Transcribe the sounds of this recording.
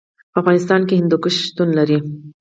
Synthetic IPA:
pəafɣɑnɪst̪ɑnkehɪnd̪ukəʃʃt̪unlaɾi

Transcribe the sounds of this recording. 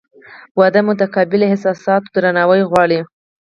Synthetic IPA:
wad̪amʊt̪akɑbɪlehɪsɑsɑt̪d̪ɾanɑwəjɣwɑɽi

